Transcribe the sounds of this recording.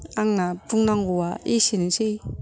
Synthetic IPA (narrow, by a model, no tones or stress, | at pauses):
aŋnapuŋnaŋɡuwaiʃinisi